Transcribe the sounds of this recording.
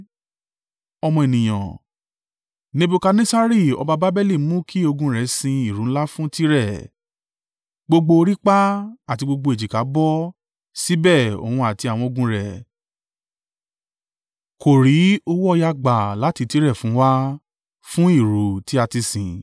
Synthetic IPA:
ɔ˧mɔ̃˧e˨nĩ˨j̃ã̰˨ | nĩ˦bu˧ka˧nĩ˦sa˦ɾi˦˨ɔ̰˧ba˧ba˦bɛ˦li˦˨˦mũ˦kʰi˦o˧ɡũ˧ɾɛ˨˦sĩ˧i˨ɾũ˨˦la˦fũ˦ti˦ɾɛ˦˨ | ɡ͡bo˧ɡ͡bo˧ɾi˦k͡pa˦a˦˨ti˧ɡ͡bo˧ɡ͡bo˧e˨d͡ʒi˨ka˨˦bɔ˦ | si˨˦bɛ˦˨o̰˨hũ˧a˨ti˧a˨w̃ɔ̃˧o˧ɡũ˧ɾɛ˨ | ko˨ɾi˨˦o˧wɔ˦ɔ˦˧ja˧ɡ͡ba˨la˨˦ti˧ti˦ɾɛ˦˨fũ˨˦wa˦ | fũ˦i˦˨ɾu˨ti˦a˧ti˧sĩ˨

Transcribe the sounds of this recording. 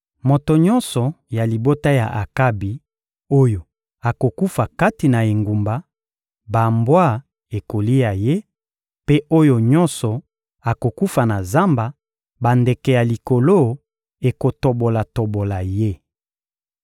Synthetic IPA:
mo˨to˨ɲɔ̃˦nsɔ˨ja˨li˨bo˦ta˦ja̰˨ʔa˨ka˦bi˨ | o˦jo˨ | a˨ko˨ku˦fa˨ka˦ti˨na˨e˨ŋɡu˨mba˨ | ba˨mbwa˦˨ | e˨ko˨li˦ja˨je˦ | pe˦ʔo˦jo˨ɲɔ˦nsɔ˨ | a˨ko˨ku˦fa˨na˨za˦mba˨ | ba˨nde˨kɛ˨ja˨li˨ko˨lo˦ | e˨ko˨to˨bo˨la˨to˨bo˨la˨je˦

